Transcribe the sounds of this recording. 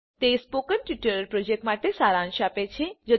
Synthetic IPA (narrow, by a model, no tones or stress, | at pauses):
t̪espokənʈiʈəɾɾpɾod͡ʒek̚ʈmaʈesaɾãnʃapet͡ʃʰed͡ʒə